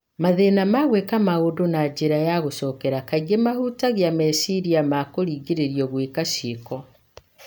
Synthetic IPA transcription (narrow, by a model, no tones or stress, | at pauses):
maðenamaɣwekamaodonaɟeɾajaɣosɔkɛɾakaiɣemahutaɣjamɛsiɾiamakoɾiɡeɾeɾjɔɣwekaʃeːkɔ